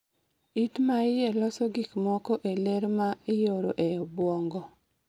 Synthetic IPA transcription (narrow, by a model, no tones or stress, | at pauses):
itmaɪjɛlɔsɔɡikmɔkɔʔeleɾmaɪjoɾo̰ʔeɔbwɔŋɡɔ